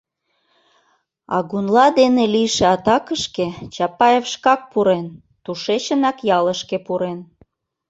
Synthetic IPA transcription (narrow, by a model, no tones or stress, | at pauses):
ɑ̰ɣunlɑd̪eneliʃeɑt̪ɑkəʃket͡ɕɑpɑjefʃkɑk̚puɾen | t̪uʃeɕənɑkjɑləʃkepuɾen